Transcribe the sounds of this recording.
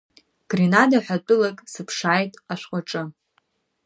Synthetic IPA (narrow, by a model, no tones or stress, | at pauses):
ɡ̥rinadaħʷᶣat͡pʼʊlakʼsɨpʰʂaːjtʼaʃʷqʷʼaʈ͡ʂʼɨ